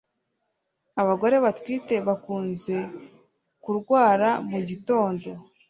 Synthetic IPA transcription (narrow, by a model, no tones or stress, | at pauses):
aβaɡo̞ɾe̞βatwiːte̞βakuːnze̞ | kuɾɡwaːɾamuɟito̞ːndo̞